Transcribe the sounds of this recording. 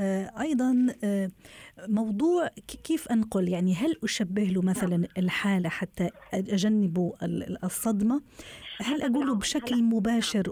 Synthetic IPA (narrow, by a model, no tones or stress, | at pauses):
ʔɑjd̪ˤɑnː | mɑwd̪ˤuːʕkeːfʔanqʊljaʕniɦalʔʊʃabːɪhlumaθalanɪlħaːlaħat̪ːaʔʔaʒanːɪbusˤːɑd̪mahalʔaɡuːlubʃaklmʊbaːʃɪɾ